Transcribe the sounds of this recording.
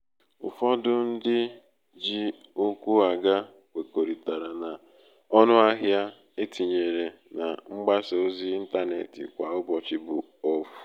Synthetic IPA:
ʊ̰˨fɔ˦dʊ˦n̩˦dɪ˦ | d͡ʒi˦ | u˦kʷu˦a˨ɡa˦ | kʷe˨ko˨ɾi˨ta˨ɾa˨na˨ | ɔ˦nʊ˦a˦ɦja˦ | e˦ti˨ɲe˨ɾe˨ | na̰˨ŋ͡m̩˦ɡ͡ba˦so˨o˦zi˦i˦n̩˦ta˦nḛ˨tɪ̰˨kʷa˨ʊ˦bɔ˨t͡ʃi˦bʊ˨ | ɔ˦fu̥˨

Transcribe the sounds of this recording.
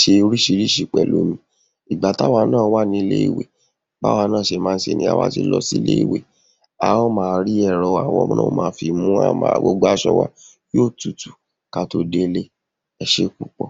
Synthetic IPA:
ʃe˧ɾi˦ʃi˧ɾi˦ʃi˨k͡pɛ˨lo˨˦mĩ˧ | i˨ɡ͡ba˨˦ta˦wa˧˦nãː˦˨˦wa˦nĩ˧le˦ḭ˦˨wḛ˨ | ba̰˦wa˧nãː˦˨ʃe˧mãː˦˧n̩˦ʃe˧˨nĩ˧˦a̰˧wa̰˦ti˧lɔ˧si˦lḛ˦i˦˨we˨ | a˨ɔ˦mãː˧ɾi˦ɛ˦˨ɾɔ˧wa˨wɔ̰˨˧˦mɔ̃˦o˦mãː˨˧˦fi˧mũ˦a̰˦mã̰˨ɡ͡bo˧ɡ͡ba˦ʃɔ̰˧wa̰˦ | jo˦˨tu˨tu˨ | ka˧to˧de˦˧le˦ | ɛ˨ʃe˦ku˨k͡pɔ˧

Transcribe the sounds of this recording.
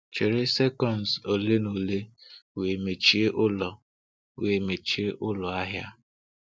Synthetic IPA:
t͡ʃe˨ɾɪ˦se˦kɔ˨nzo˨le˦no˨le˦we˨me˨t͡ʃi˦e˦ʔʊ˦lɔ˨ | we˨me˨t͡ʃi˦e˦ʔʊ˦lɔ˨a˦ɦja˦

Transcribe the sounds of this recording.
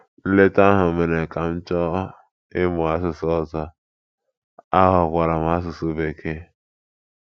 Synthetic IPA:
n̩˦le˦ta˦ɦʊ˨me˨ne˨ka˨n̩˦t͡ʃɔ˦ | ɪ˦mʊ˨a˦sʊ˨sɔ˦˨zɔ˦ | a˦ɦʊ˨kʷa˨ɾa˨m˨a˦s̬ʊ˨so˦be˨kʰe˦

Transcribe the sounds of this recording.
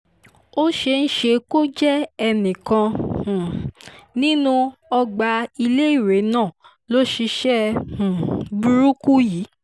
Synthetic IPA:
o˦ʃe˧n̩˦ʃe˧ko˦d͡ʒɛ˦ɛ˧nĩ˨kã˧hũ˨nĩ˦nũ˧ɔ˧ɡ͡ba˧i˧le˦i˦˨ɾe˨˦nãː˦˨ | lo˦ʃi˧ʃɛ˦hũ˨bu˧ɾu˦ku˦jiː˨˦

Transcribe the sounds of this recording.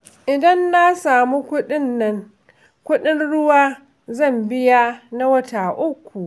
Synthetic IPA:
ʔɪ˨dɐ˦nːa˦saː˨mu˦kʷʊ˦ɗɪ˦nːɐ˦ŋ | kʷʊ˦ɗɪ˦nɽʊ˦waː˦ | zɐ˦˨mbɪ˦ja˦na˦wɐ˦ta˨ʔʊ˦kʷːu˨ʔ

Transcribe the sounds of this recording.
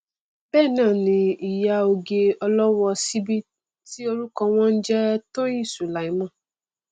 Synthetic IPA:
b̥ɛː˦˨nã˦˨nĩ˧i˨ja˧o˧ɡe˧ɔ˧lɔ˦wɔ˧si˦bi˦ | ti˦o˧ɾu˦kɔ̃˧w̃ɔ̃˦n̩˦d͡ʒɛ˦tõ˦jĩ˦˨su˨la˨i˨˦mã˦˨

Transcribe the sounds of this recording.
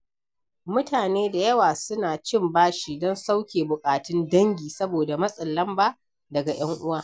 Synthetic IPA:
mʊ˦taː˨neː˦da˨jɐ˦waː˨sʊ˦naː˨t͡ʃɪ˦˨mbaː˦ʃiː˦dɔ˦nsa˦wkʲeː˨bʊ˨kʼaː˨tɪ˦ndɐ˦ŋɡʲiː˨sɐ˦boː˨da˨mɐ˦sʼɐ˨lːɐ˦mbaː˦ | dɐ˨ɡa˨j̰ɐ˦ŋʔʊ˦waː˦˨

